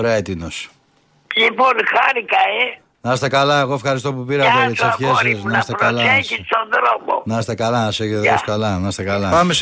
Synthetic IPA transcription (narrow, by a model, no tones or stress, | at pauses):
oɾeɐet̪inos | liponxaɾikɐe | nɐst̪ekɐlɐeɣo̞e̞fxɐɾis̬t̪o̞pupiɾɐt̪eeseçesɐsnsst̪eɾɐlɐçisond̪ɾomo̰nɐst̪ekɐlɐnɐseçet̪etoskɐlɐnɐst̪ekɐlɐpɐmes